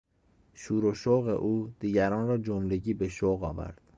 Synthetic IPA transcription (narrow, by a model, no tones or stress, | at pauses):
ʃuːɾoʃoɣḛʔuːd̪̥iːɟæɾɒːnɾɒːd͡ʒomleɟiːbe̞ʃoɣɒ̰ːvæ̰ɾd̪̥